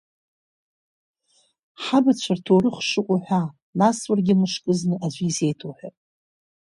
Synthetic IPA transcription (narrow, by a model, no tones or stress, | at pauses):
ħabat͡ɕʷʰartʰowɾɨχʷʂɨqʷʼʊħʷᶣa | naswarɡʲɪmɨʂkʼɨznɨʔaʒʷize̞jtʰoħʷᶣatʼ